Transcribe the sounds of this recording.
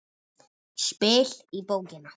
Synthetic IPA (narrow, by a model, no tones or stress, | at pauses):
ʃpeːɬipowkena